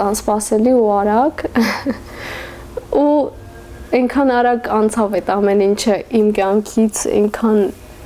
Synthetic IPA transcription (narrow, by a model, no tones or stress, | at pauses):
ɑnspɑsɛliuɑɾɑk | u | ɛŋkʰɑnɑɾɑɡɑnt͡sʰɑvɛt̪ɑmɛnint͡ʃʰəʔimkjɑŋkʰit͡sʰɛ̰ŋkʰɑn